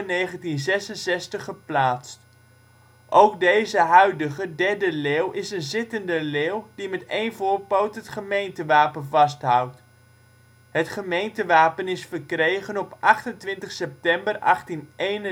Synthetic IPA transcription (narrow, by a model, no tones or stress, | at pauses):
nejχəntinzɛsənsɛstəχəplaːtst | ʔowk̚dejzəɦœɥdəχədɛɹdəleːwʔɪsənzɪtəndəleːwdimɛtejnvʊːɹpowtɦətχəmejntəʋaːpənvɑstɦʌwt | ɦətχəmejntəʋaːpənɪsfərkrejχənɔpʔɑχtəntʋɪntəχsɛp̚tɛmbərɑχtinʔejnə